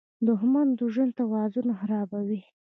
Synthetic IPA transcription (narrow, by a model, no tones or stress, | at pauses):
d̪ʊhmand̪uʒənt̪awɑzunaxaɾɑbawi